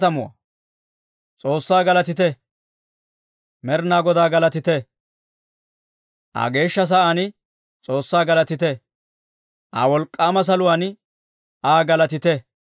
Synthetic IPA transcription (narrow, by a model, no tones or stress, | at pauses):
t̪ɐmʊwa̰ | t͡sʼo̞ːsːaːɡɐlɐt̪ɪt̪ɛ | mɛɾnaːɡɔd̪aːɡɐlɐt̪ɪt̪ɛ | ʔa̰ɡe̞ːʃːɐs̬ɐʔaːnɪ | t͡sʼo̞ːsːaːɡɐlɐt̪ɪt̪ɛ | ʔa̰ːwɔlkʼːaːmɐs̬ɐlʊwaːnɪ | ʔaːɡɐlɐt̪ɪt̪ɛ